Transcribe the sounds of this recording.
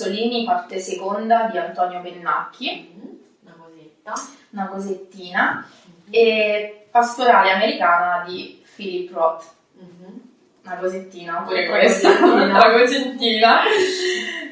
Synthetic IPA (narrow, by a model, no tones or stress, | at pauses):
oliːnipart̪esekond̪ad̪iant̪ɔːnjobenːa̰kʰːi | a | unakozet̪ːiːna | epast̪oɾaːleameɾikaːnad̪i | filipːrɔt̪ː | unakozet̪ːiːnaopːuːɾekwest̪aakozent̪ːiːna